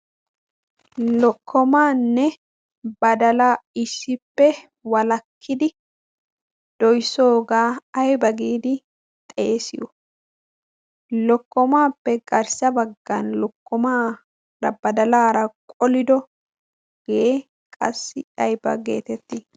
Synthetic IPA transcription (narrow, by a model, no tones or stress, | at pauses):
lɔkʰːɔmaːnːɛ | bɐd̪ɐlaːɪsːɪpːɛ | wɐlɐkʰːɪd̪ɪ | d̪̥ɔjso̞ːɡaːɐjbɐɡiːd̪ɪ | t̪ʼeːsɪ̰jɔ | lɔkːɔmaːpːɛɡɐɾsɐbɐɡːɐnlɔkːɔmaː | ɾɐbɐd̪ɐlaːɾɐkʼɔlɪd̪ɔ | ɡ̥ee | kʼɐ̰sːɪɐjbɐ̰ɡe̞̰ːt̪ɛt̪ːiː